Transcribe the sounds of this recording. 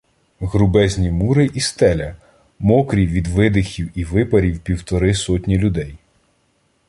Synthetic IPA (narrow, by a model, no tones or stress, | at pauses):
ɣɾʊbɛzʲnʲimuɾɪʔist̪ɛlʲɐ | mɔkɾʲiʋʲid̪ʋɪd̪ɪxʲiwiʋɪpɐɾʲiwpʲiwt̪ɔɾɪsɔtʲnʲilʲʊd̪ɛj